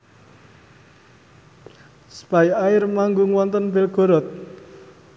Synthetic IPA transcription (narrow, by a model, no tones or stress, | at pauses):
sə̥pajaɪrmaŋɡuŋwɔnt̪ənbelɡ̥o̤ɾɔt̪̚